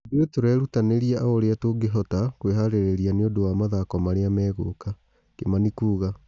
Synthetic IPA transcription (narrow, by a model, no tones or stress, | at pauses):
duetoɾɛɾutaneɾiaʔaoɾeatoɡeɦɔtakweɦaɾeɾeɾianeodowaːmaðakɔmaɾeamɛːɣo̰ːka | kemanikuːɣa